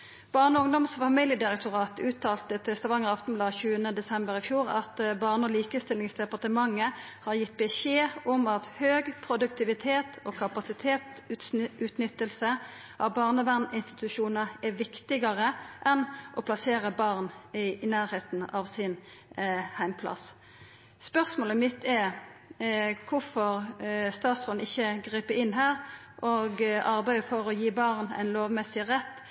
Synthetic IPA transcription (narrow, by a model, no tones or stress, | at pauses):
b̥ɑːʁnəʊŋd̪ɔmsfɑmiljəd̪ɪʁɛk̚t̪ʊʁɑːt̪ʉːt̪ʰɑːlt̪ət̪ʰɪst̪ɑʋɑŋəʁɑft̪ɔm̩blɑːçʉːənəd̪ɛsɛmbəɾɪfjuːʁɑ̰t̪bɑːʁnəɔliːkəst̪ɪlɪŋsd̪ɛpɑʁt̪əmɑŋːə | hɑʁjɪt̪̚ːbɛʃeːɔmɑt̪høːɡpʰʁʊd̪ʉkt̪ɪʋɪt̪ʰeːt̪oːkʰɑpɑsɪt̪ʰeːt̪ | ʉːt̪nʏt̪ːəlsə | ʔɑbɑːʁnəʋæʁnɪnst̪ɪ̥t̪ʉʂuːnəɛʋɪkt̪ɪɡɑʁəʔɛnʔɔpʰlɑseːʁəbɑʁnnæːʁheːt̪n̩ɑʋsɪn | hæɪmpʰlɑ̰s | spœʁsmoːləmɪt̪ʰːɛɾ | kʰʊfɔʁst̪ɑːt̪sɔnɪçːəɡʁiːpəɪnːɦæːʁ | ʔoːɡɑʁbæɪəfoːɾɔjiːbɑʁnæ̰ɪnloːʋmɛsɪʁɛt̪ː